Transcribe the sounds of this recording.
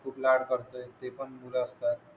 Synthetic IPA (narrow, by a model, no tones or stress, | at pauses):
fʰuʈlaɽkʌɾt̪əjt̪epənmuləːst̪a